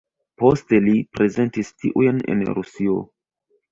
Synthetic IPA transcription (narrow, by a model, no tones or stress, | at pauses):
po̞ste̞lipɾe̞ze̞ntistiʔujnḛnɾṵsio̞̰